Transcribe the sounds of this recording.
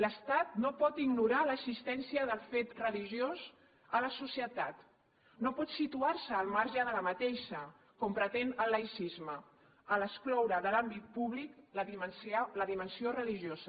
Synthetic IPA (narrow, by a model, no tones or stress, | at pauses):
ləst̪at̪̚nopɔt̪iɡnuɾaləsist̪ɛnsiəðəlˠfet̪rəliʒjoz | ələsusiət̪at̪ | nopɔt̪sit̪uaɾsəːlˠmaɾʒəðələmət̪eʃə | kɔmpɾət̪enəlːəjsizmə | ələsklɔwɾəðəlambit̪̚puβliklmsləðimənsiorəliʒozə